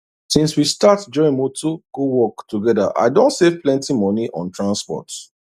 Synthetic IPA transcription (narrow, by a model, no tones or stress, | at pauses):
sĩnswistatd͡ʒɔĩŋmotʰukuwɔktuɡɛda̰ʔa̰ɪdõntsev̥plɛ̃ntimɔniʔɔ̰̃ntʰɹãnspɔ̰t